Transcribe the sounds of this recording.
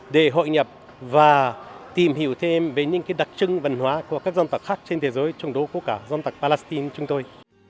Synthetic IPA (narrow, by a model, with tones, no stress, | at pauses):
ɗe˧˩ɦo̰˧˨jɲə˨˩p̚ | vaː˨˩t̪i˨˩mhi˧˩əwt̪ʰe˧mve˨˩ɲɨ̰˧˥ŋkaː˨˦jɗa˨˩k̚t͡ɕɨ˧ŋvə˨˩nɦwaː˨˦ku˧˩əkaː˦˥k̚za˧nt̪a˨˩k̚xaː˦˥k̚t͡ɕe˧nt̪ʰe˨˦zəː˨˦jt͡ɕɔ˧˩wŋ͡mɗo˨˦ku˧˩əkaː˧˩zɔ˧nt̪a˨˩k̚pa˧lɛ˦˥st̪i˧nt͡ɕʊ˨˦ŋ͡mt̪o˧j